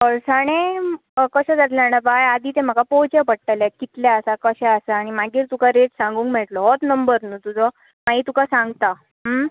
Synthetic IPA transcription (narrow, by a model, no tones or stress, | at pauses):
əɭsaɽ̃ẽ | kəɕɛ̃d͡zat̪leanəbajad̪iːt̪em̤əkapɔt͡ɕəpəɽ̚ʈalakit̪laasakəɕɛ̃əsaːɽ̃imaɡiːɾt̪ukaɾeʈsãŋɡuːŋkmɛɭʈlɔɦɔt̪nəmbəɾnut̪ud͡zɔ | maɦiːt̪ukasãŋɡt̪a | ɦə